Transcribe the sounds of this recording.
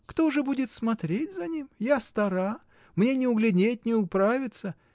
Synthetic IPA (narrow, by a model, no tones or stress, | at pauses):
kt̪oʊʐɛbudʲɪt̪smɐt̪ɾʲetʲzɐnʲimjast̪ɐɾa | mnʲe̞nʲɪʊɡlʲɪnʲet̚ʲnʲɪʊpɾavʲɪt̪sə